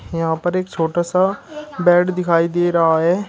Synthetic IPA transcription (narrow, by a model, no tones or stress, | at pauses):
jɐɦãːpəɾeːkt͡ʃʰoːʈaːsabɛːɖd̪ɪkʰaːid̪eːɾɐɦaɦɛː